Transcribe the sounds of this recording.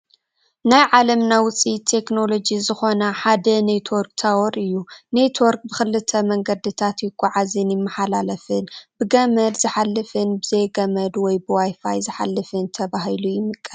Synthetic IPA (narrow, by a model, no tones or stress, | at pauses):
najʕalɐmnawʊt͡sʼit̪ʰe̞kno̞lo̞d͡ʒizɨxo̞naħad̪ɐnet̪ʰwɔɾkt̪ʰawɔɾɨjːunet̪ʰwoɾk̚bɨxɨlːɨt̪ʰɐmɐŋɡɐd̪ɨt̪ʰat̪jɪkʼːɔʕazɨnjɪmːɐħalalɐfɨnbɨɡɐmɐd̪zɨħalːɨfɨnbɨzejɡɐmɐd̪wɔjbɨwajfa̰jzɨħa̰lːɨfɨnt̪ʰɐbaɦilujɪmɨkʼːɐ